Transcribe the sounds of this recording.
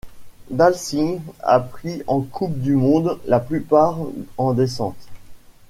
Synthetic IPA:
d̪alsia̰pχiɑ̃kʰup̚d̪ymɔ̃d̪laplypaʁɑ̃d̪esɑ̰̃t̪

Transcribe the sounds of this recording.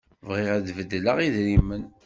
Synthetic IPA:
vʁɪʁæðvəd̪ːləʁiðɾimːən

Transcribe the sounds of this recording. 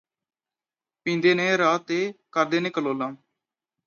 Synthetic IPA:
pĩːnd̪eːnẽːɾaːt̪eːkəɾd̪eːneːkəloːlãː

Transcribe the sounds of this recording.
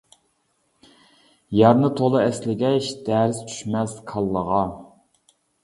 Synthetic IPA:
jɑɾnɨt̪ʰolˠɨɛslɪɡʲɛʃd̪̥ɛɾɪzt͡ʃʰy̥ʃmɛskʰɑlˠːəʁɑ

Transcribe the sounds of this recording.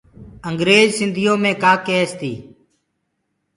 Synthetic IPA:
əŋɡɾeːzsɪnd̪ʱɪjõːmẽːkaːkeːst̪iː

